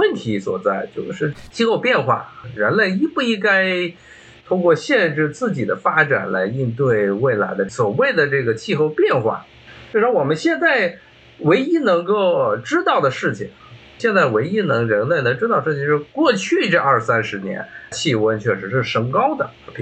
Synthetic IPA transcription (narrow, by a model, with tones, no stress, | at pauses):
wə˥˩nt̪ʰi˧˥swɔ̰˨˩t͡sa˥˩ɪt͡ɕjo˥˧ʊʂɻ̩˥˧t͡ɕʰi˥˧xo˥˧ʊpjɛ˥˧nxwa̰˥˩ɻə˧˥nle˥˩ɪi˥pu˥˩i˥ŋka˥ɪ | t̪ʰʊ˥ŋkwɔ˥˧ɕjɛ˥˧nʈ͡ʂɻ̩˥˧t͡sɹ̩˥˩t͡ɕi˨˩d̪ə˦fa˥ʈ͡ʂa̰˨˩nla̰˧˥ɪi˥˧nt̪̬we˥˩ɪwe˥˩ɪla̰˧˥ɪd̪ə˧swɔ˨˩we˥˩ɪd̪ə˩ʈ͡ʂɤ˥˩ɡə˩t͡ɕʰi˥˧xo˥˧ʊpjɛ˥˧nxwa̰˥˩ | t͡ɕo˥˧ʊʂɑ˥ŋwɔ˨˩mə˦nɕjɛ˥˧nt͡sa˥˩ɪ | we˧˥ɪi˥nɤ˧˥ŋko˥˩ʊʈ͡ʂɻ̩˥t̪ɑ˥˩ʊd̪ə˩ʂɻ̩˥˩t͡ɕʰi˨˩ŋ | ɕjɛ˥˧nt͡sa˥˩ɪwe˧˥ɪi˥nɤ˧˥ŋɻə˧˥nle˥˩ɪn˧˥ŋʈ͡ʂɻ̩˥t̪ɑ˥˧ʂɻ̩˥˩t͡ɕʰi˧˩ŋʂɻ̩˥˧kwɔ˥˧t͡ɕʰy˥˩ʈ͡ʂə˥˧ɐ˞˥˩ʂsa˥nʂɻ̩˧˥njɛ̰˧˥nt͡ɕʰi˥˩˥wə˥nt͡ɕʰɥɛ˥˩ʂɻ̩˧˥ʂɻ̩˥˩ʂɤ˧˥ŋkɑ˥ʊd̪ə˨˧˥pʰ